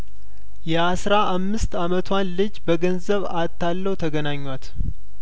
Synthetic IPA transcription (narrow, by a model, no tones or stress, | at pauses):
jɛasɾaʔːmːɨst̪amət̪ʰwanlɨd͡ʒbəɡənzəβa̰t̪ʰːalːəhwt̪ʰəɡənaɲːwat̪